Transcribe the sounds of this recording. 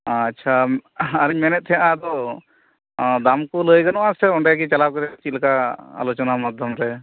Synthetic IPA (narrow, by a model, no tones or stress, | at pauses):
tːʃʰaaɾiɲmɛnɛt̪̚ʰɛjaʔad̪ɔ | d̪amkuləjɡanɔʔasɛɔɳɖɛjaɡit͡ʃalaw̚kɔɾɛt͡ʃilkaa̰lɔt͡ʃɔnamad̪ʱjɔmɾɛ